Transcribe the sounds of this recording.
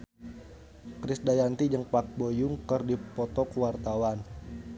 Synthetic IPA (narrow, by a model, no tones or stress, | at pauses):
kɾisdajant̪id͡ʒəŋpak̚bojuŋkərdipɔt̪ɔkuwart̪awan